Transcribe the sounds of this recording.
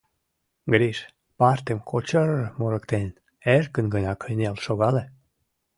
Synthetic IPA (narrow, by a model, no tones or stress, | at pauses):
ɡəɾiʃ | pɑrt̪emkʰot͡ɕəɾmoɾəkt̪en | erkənɡənɑkəjnelʃoɣɑle